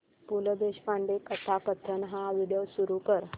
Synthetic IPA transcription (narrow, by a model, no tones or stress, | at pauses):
puləd̪eɕpãɳɖekət̪ʰakət̪ʰːənɦãʋiɽijosuɾukəɾ